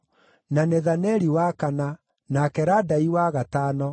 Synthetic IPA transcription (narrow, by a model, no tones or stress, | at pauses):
naneðanɛɾiwakana | nakɛɾadaiwaɣataːnɔ